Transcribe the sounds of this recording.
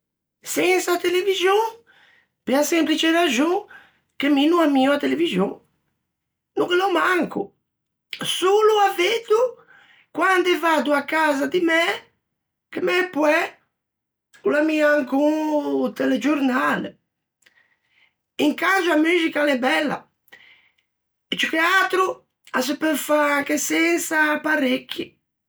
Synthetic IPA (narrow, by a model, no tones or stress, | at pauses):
sɛnsat̪elevizjõ | peasɛ̃mpɾit͡ʃeɾaʒõŋ | keminuamĩuat̪elevizjõ | nukelomaŋku | soluaved̪u | kwãnd̪ɛvad̪uakazad̪ɪmɛ | kɪmɛpwɛ | kulamiaŋkut̪ɛlɛd͡ʒoɾnalḛ | iŋkand͡ʒuamyzikalɛbɛlːa̰ | ɪt͡ʃikeat̪ɾu | as̬upefakesɛnsapaɾekːi